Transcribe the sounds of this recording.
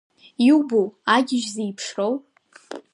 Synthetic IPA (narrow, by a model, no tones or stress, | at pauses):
iwboaɡʲɪʒzejpʰʂrow